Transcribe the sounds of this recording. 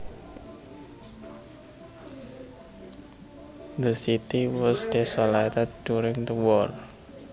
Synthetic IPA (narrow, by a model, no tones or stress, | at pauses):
d̪əsit̪iwɔsdɛsɔlat̪ɛd̚duɾɪŋd̪əwɔl